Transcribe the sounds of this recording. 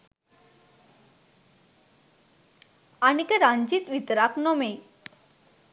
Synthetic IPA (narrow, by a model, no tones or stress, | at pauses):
anikəɾaɲd͡ʑit̪ʋit̪ɾaknɔme